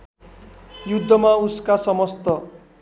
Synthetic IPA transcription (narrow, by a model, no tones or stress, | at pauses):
jud̪ʱːʌmauskasʌmʌst̪ʌ